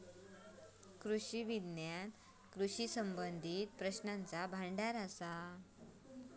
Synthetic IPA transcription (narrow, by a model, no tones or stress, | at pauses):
kɾuɕiʋid̪njan | kɾuɕisəmbənd̪ʱiːt̪̚pɾəɕnant͡sabʱaɳɖaɾasa